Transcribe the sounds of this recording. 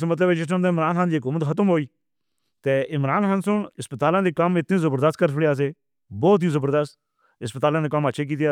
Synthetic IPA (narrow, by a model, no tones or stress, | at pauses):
smət̪̬ləbɛːd͡ʒɪs̬nə̃nd̪aɪmɾaːnxaːnd̪iːɦkuːmət̪xʰət̪əmɦoːiː | t̪eːʔɪmɾaːnxaːnsʊɳɪspət̪aːlãːd̪eːkəmɪt̪nĩːzəbəɾd̪əst̪kəɾpʰɽaːs̬eː | bɔːt̪̬ɦiːzəbəɾd̪əst̪ | ɪspət̪aːlãːd̪eːkəmətːʃʰeːk̬iːt̪ja